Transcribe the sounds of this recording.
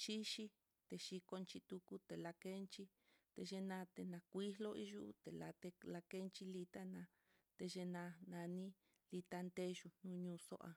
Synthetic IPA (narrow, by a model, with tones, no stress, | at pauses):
ʃi˦ʃi˦ | t̪e˧˨ʃi˧ko˧nt͡ʃi˧t̪u˧ku˦t̪e˨la˧ke˦nt͡ʃi˦ | t̪e˧ʒe˧nã˧t̪e˧nã˧kʷi˦ɦlo˦i˦ʒu˦t̪e˨la̰˧t̪e˧la˧ke˦nt͡ʃi˦li˧t̪a˦nã˧ | t̪e˧ʒe˧nã˧nã˧nĩ˦ | li˧t̪a˧nd̪e˦ʒu˧nũ˦ɲũː˧so̰˦ʔa̰˧